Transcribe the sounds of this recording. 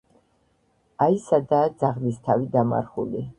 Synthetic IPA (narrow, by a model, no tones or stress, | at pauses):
aisad̪aːd̪zaʁlist̪ʰavid̪ama̰ɾχuli